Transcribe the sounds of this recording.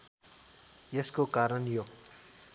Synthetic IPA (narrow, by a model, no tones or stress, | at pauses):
jeskokaːɾʌnjo